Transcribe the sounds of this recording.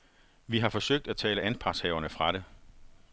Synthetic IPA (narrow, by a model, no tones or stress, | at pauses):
ʋiɦɑ̈fɒ̽søɡ̥̚d̥æt͡sʰɛ̰ːləʔænpʰɑ̈shɛːʊɐnəfʁɑ̈ɾ̥e̝